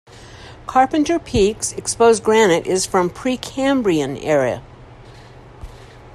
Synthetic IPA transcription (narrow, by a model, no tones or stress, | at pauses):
kʰɑɹpɨ̃ntə˞pʰiksɨkspoʊzɡɹænɨɾʔɪz̥fɹʌ̃mpʰɹ̥ikʰæ̃mbɹiɨ̃nɛɹiɨ̰